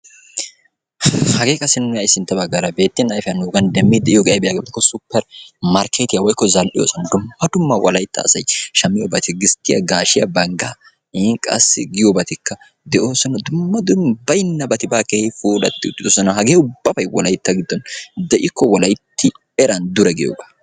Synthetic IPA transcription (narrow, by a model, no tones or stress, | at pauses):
hɐɡe̞ːkʼɐsɪnːʊjɐjsɪnt̪ːɐbɐɡːɐɾɐbe̞ːt̪ːɪnɐjfɪjɐnuːɡɐnd̪ɛmːɪd̪ɛʔɪjoɡɛʔɐjbɛjaːɡebt̪ːɪkːɔsʊpːɛɾmɐɾkʰeːt̪ɪjɐwɔjkːɔzɐlʔɪ̰jo̰ːsɔnɐd̪ʊmːɐd̪ʊmːɐwʔɔlɐjt̪ːɐ̰ːsɐjʃɐmːɪjobɐt̪ɪɡɪst̪ːɪjɐ̰ɡaːʃɪjɐ̰bɐŋɡɐ | ŋkʼɐ̰sːɪɡɪjobɐt̪ɪkːɐ | d̪ɛʔo̞ːsɔnɐd̪ʊmːɐd̪ʊmbɐjɪnːɐbɐt̪ɪbaːkehɪfuːlɐ̰t̪ːɪʊ̰t̪ːɪd̪oːsɔnɐɦɐɡeːʊbːɐbɐjwɔ̰lɐjt̪ːɐɡɪd̪ːɔnd̪ɛʔɪkːɔwɔlɐjt̪ːɪ | ɛɾɐnd̪ʊɾɛɡɪjo̰ːɡɐ̥